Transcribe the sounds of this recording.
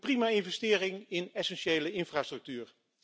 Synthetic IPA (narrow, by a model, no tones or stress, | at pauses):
primaːɪnvɛstɪːrɪŋɪnɛsɛnʃejləɪnfraːstrɵk̚tyːɹ